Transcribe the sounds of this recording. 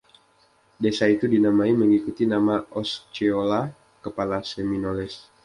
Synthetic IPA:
desait̪udinamaiməŋikut̪inamaʔɔst͡ʃeola | kəpalaseminolɛs

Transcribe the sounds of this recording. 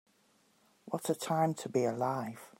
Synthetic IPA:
wɒtətʰãɪ̃mtʰəbiəlaɪv̥

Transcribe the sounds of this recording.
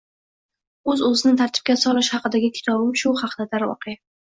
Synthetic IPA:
ɵzɵzɪnɪt̪ʰaɾt̪ʰɪ̥p̚kʲasɒlˠɪʃhɑqɨd̪aɡʲɪkʲʰɪ̥t̪ʰɒbɪmʃʊhɑqd̪ad̪aɾwɒ̰qja

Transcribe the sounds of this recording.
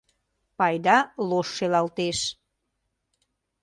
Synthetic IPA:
pɑjd̪ɑloʃːelɑlt̪eʃ

